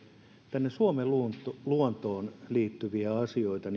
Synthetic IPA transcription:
t̪ænːesuomeluntluont̪oːnliːt̪ːyʋiæɑsioit̪ɑn

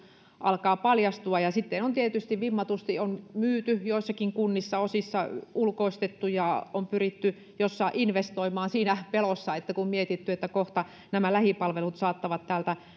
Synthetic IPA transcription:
ʔɑ̰lkɑːpɑljɑst̪uɑjɑsit̪ːenont̪iet̪yst̪iʋʋimːɑt̪ust̪ionmyːt̪yjoisːɑkiŋkunːisːɑosisːɑulkoist̪et̪ːujɑompyrit̪ːy | josːɑʔinʋest̪oimɑːnsiːnæpelosːɑet̪ːækummiet̪it̪ːyet̪ːækoht̪ɑ | næmælæhipɑlʋelut̪sɑːt̪ːɑʋɑt̪tæːlt̪æ

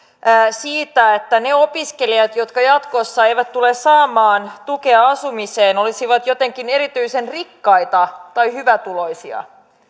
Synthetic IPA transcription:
siːt̪æet̪ːæneopiske̞liɑt̪jo̞t̪kɑjɑt̪ko̞sːɑe̞jʋæt̪t̪ulessɑːmɑːnt̪uke̞ɑɑsumiseːno̞lisiʋɑt̪jot̪eŋkine̞ɾit̪yisenrikːɑjt̪ɑt̪ɑjhyʋæt̪ulo̞jsiɑ̰

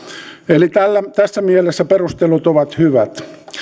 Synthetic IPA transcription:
elit̪ælːæt̪æsːæmielesːæperust̪elut̪oʋɑt̪hyʋæt̪

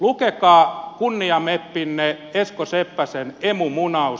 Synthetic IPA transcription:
lukekɑːkunːiɑmepːinːeeskosepːæsenemumunɑu

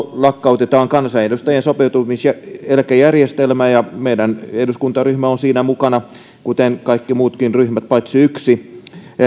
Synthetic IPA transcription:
lɑkːɑut̪et̪ɑːŋkɑnsɑedust̪ɑjensopeut̪umisjæelkæjærjest̪elmæːjɑmeidæneduskunt̪ɑryhmæonsiːnæmukɑnɑ | kut̪enkɑikːimuːt̪kinryhmæt̪̚pɑit̪siyksi

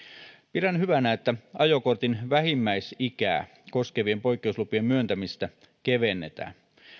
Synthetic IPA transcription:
pidænhyʋænæet̪ːæɑjokort̪inʋæhimːæisikæ̰ː | ko̞skeʋie̞mpo̞jkːˑeuslupiemmyønt̪æmist̪æ | keʋe̞nːet̪æ̰ːn

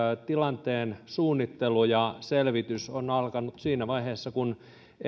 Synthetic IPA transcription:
t̪ilɑnt̪eːnsuːnːit̪ːelujɑselʋit̪ysonɑlkɑnut̪siːnæʋɑiheːsːɑkun

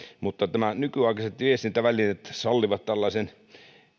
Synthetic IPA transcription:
mut̪ːɑt̪æmænykyɑˑikɑset̪ʋiest̪int̪æʋælinet̪sɑlːiʋɑt̪t̪ælːɑisen

